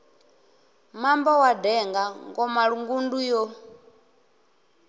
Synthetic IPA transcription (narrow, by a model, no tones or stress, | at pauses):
mambɔwadɛŋɡaŋɡɔmaɺuŋɡundujɔ